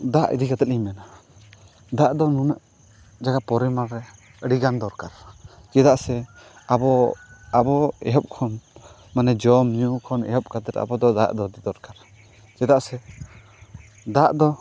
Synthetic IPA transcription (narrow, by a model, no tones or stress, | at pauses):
d̪aʔḭd̪ikat̪ɛt̪̚iɲmɛna | d̪aʔd̪ɔnunaʔ | d͡ʒaɡapɔɾimaɾːɛ | əɽiɡand̪ɔɾkaɾ | d͡ʒɛd̪aʔsɛ | abɔabɔɛ̰ɦɔp̚kʰɔn | manɛd͡ʒɔmɲukʰɔnɛ̰ɦɔp̚kat̪ɛt̪a̰bɔd̪ɔd̪a̰ʔd̪ɔd̪id̪ɔɾkaɾ | d͡ʒɛd̪aʔsɛ | d̪aʔd̪ɔ